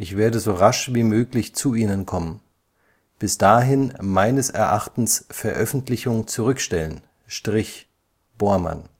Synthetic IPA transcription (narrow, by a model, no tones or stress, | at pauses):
ʔɪçv̥eːɐdəzoːʁaʃv̥iːmøːklɪçt͡suʔiːnənkʰɔmən | b̥ɪsd̥aːɦɪnmaɪnəsɛ̰ɐʔaχtn̩sfɛɐʔœfn̩tlɪçʊŋt͡suʁʏkʃtɛlən | ʃtʁ̥ɪç | b̥oːɐma̰n